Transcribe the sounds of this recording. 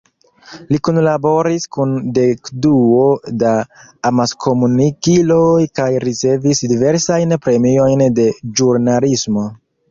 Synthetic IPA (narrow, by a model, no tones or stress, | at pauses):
likunlabo̞ɾiskunde̞kduodaː | maskʰo̞munikilo̞jkajɾit͡se̞visdive̞ɾsajnpɾe̞mio̞jnde̞d͡ʒuɾnalismo̞